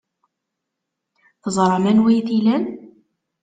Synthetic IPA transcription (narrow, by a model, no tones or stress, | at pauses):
θəzˤɾˤɑmænwæjθilæn